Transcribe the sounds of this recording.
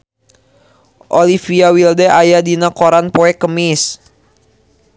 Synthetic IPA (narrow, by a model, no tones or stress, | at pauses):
ʔolifiawildɛʔajadinakoɾanpoɛkəmɪs